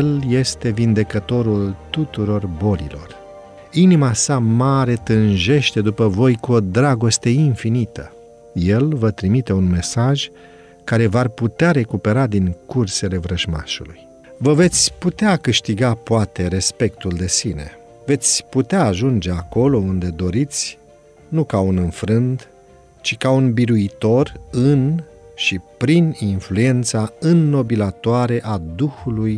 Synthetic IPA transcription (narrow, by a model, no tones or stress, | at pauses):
lje̞st̪e̞vind̪e̞kət̪o̞ɾult̪ut̪uɾo̞rbo̞lḭlo̞r | inimasamaɾe̞t̪ɨnʒe̞ʃt̪e̞d̪upəvo̞jkuo̞d̪ɾaɡo̞st̪e̞infinit̪ə | je̞lvət̪ɾimit̪e̞unme̞saʒ | kaɾe̞varput̪eaɾe̞kupe̞ɾad̪iŋkurse̞le̞vɾəʒma̰ʃuluj | vəve̞t̪sʲput̪eakɨʃt̪iɡapoat̪e̞ɾe̞spe̞kt̪uld̪e̞sine̞̰ | ve̞t̪sʲput̪eaːʒund͡ʒe̞ako̞lo̞und̪e̞d̪o̞ɾit̪sʲ | nukaunɨnfɾɨnd̪ | t͡ʃikaunbiɾuit̪o̞rɨn | ʃipɾininflue̞nt̪saɨnːo̞bilat̪oaɾe̞ʔad̪uxuluj